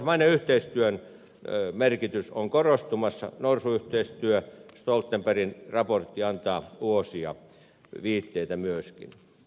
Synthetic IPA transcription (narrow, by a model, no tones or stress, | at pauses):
smɑineyht̪eist̪yøn | merkit̪ysoŋkorost̪umɑsːɑ̰norsuyht̪eist̪yøst̪olt̪ːemperinrɑport̪ːiɑnt̪ɑːuosiɑ̰ | ʋiːt̪ːeit̪æmyøskḭn